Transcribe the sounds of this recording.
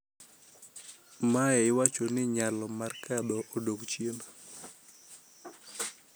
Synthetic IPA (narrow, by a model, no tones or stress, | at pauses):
maɛɪwat͡ʃonɪɲalɔmarkadɔʔodokt͡ʃjena